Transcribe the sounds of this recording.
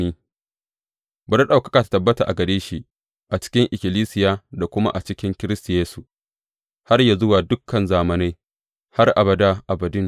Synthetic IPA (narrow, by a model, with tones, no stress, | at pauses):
iː˦ | bɐ˨ɾa˦ɗa˨wkɐ̥˦kaː˨tḁ˨˦tɐ˨bːɐ˦ta˨ʔa̰˨ɡɐ˨deː˦ʃiː˦ | ʔa˨t͡ʃɪ̥˦kʲɪ˦ŋʔɪ˨kʲɪ˨liː˦sɪ˨jaː˦da˨kʷʊ˦ma̰˦ʔa˨t͡ʃɪ˦kʲɪ˦ŋkʲɪ˦ɾɪ˦sta˨jeː˦su˨ʔ | ha˦rja˨zʊ˦waː˨dʊ˦kʰːɐ˨nzaː˨mɐ˨na˦j | ha˦rʔa˨bɐ˨da˦ʔa˨bɐ˨dʊ˦n